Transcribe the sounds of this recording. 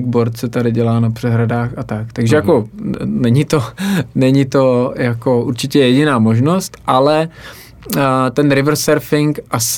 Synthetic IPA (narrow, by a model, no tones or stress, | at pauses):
ɡ̚boɾt̪̚sɛt̪adɪɟɛlaːnapr̝̥ɛɦɾadaːxʔat̪akt̪aɡʒɛjako̞nɛɲit̪o̞nɛɲit̪o̞jako̞ʔuɾt͡ʃɪcɛjɛɟɪnaːmo̞ʒno̞st̪ʔalɛ | t̪ɛnɾɪvr̩sɛɾfɪŋkʔas